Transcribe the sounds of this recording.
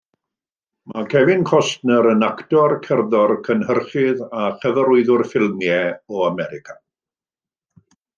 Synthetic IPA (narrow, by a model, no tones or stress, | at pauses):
makʰɛvɪnkʰɔstnəɾənaktɔrkʰərðɔrkʰənhərχɪðaχəvəɾʊɨðʊrfɪlˠmjɛɔamɛɾɪkʰa